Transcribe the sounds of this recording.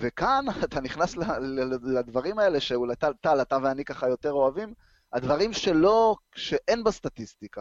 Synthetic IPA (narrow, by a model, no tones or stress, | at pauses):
vekanat̪aniχnaslalad̪vaʁimae̞le̞ʃeulajt̪alt̪alat̪aveanikaχajo̞t̪e̞ʁo̞avim | ad̪vaʁimʃe̞lo̞ | ʃe̞ʔe̞nbast̪at̪ist̪ika